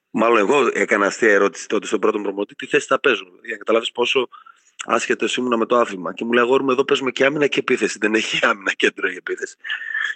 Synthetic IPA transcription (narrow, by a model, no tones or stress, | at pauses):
mɐlo̞neɣo̞e̞kɐnɐːst̪iɐeɾo̞t̪i̥si̥t̪o̞t̪e̞st̪obɾo̞t̪o̞mpɾomo̞t̪it̪iθe̞si̥t̪ɐpe̞zumeɐðiʝɐnɐkɐt̪ɐlɐvispo̞so̞ | ɐ̰sce̞t̪esimunɐme̞t̪o̞ɐθimɐce̞muleɐɣoɾumeðope̞zume̞ceɐminɐceːpiθe̞siðe̞neçiɐminɐce̞nd̪ɾoie̞piθe̞si̥